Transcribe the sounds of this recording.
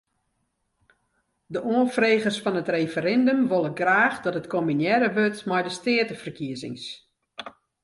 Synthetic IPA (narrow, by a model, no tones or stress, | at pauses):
dəʔoənfreːɣərsfɔnətrefəɾɛndəmʋolˠəɡraːxdɔtətkʰominjɛɾəʋøtmɛjdəstɪətəfərkiəzɪ̰ŋs